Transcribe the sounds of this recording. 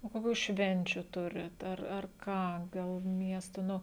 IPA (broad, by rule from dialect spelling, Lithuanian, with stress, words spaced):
oː koːˈkʲuː ˈʃʲʋʲɛnʲt͡ʃʲuː ˈtʊrʲɪt ɐr ɐr ˈkɑː ˈɡɐlˠ ˈmʲiɛstoː ˈnʊ